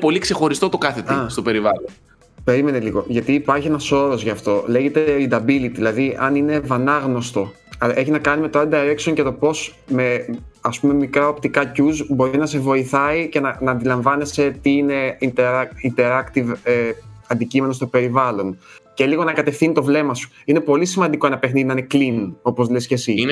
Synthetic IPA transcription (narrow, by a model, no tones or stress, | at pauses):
po̞likse̞xo̞ɾist̪ot̪okɐθet̪iɐst̪ope̞ɾivɐlon | pe̞ɾime̞neliɣo̞̰ʝɐt̪iːpɐɾçienɐso̞ɾo̞zʝɐft̪o̞leʝe̞t̪e̞ind̪ɐbilit̪iðilɐðiʔɐnine̞vɐnɐɣno̞st̪o̞ | ɐlʔe̞çinɐkɐnime̞t̪oɐld̪ɐɐɾeksionʝɐt̪o̞po̞s | me̞ɐspume̞mikɾɐo̞pt̪ikɐcuzbo̞ɾinɐse̞vo̞iθɐice̞nɐnɐːnd̪ilɐɱvɐne̞se̞t̪iine̞int̪eɾɐint̪e̞ɾɐkt̪iveɐnd̪icime̞nost̪o̞pe̞ɾivɐlo̞nce̞liɣo̞nɐkɐt̪e̞fθinit̪o̞vle̞mɐsu̥ine̞po̞lisimɐnd̪iko̞enɐpe̞xniðinɐneklino̞po̞zlescesin